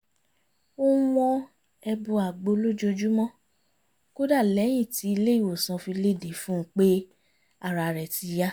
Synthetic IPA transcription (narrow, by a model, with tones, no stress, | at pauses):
o˦wɔ̃˧ | ɛ˧bũ˧a˨ɡ͡bo˨˧˦lo˦d͡ʒo˧d͡ʒu˦mɔ̃˦ | ko˦da˦˨lɛ˨˦j̃ĩ˦˨ti˨˦i˧le˦i˦˨wo˨sã˨˧fi˧le˦˨de˨˦fũ˦k͡pe˦ | a˦˨ɾa˨ɾɛ˨ti˨˧ja˦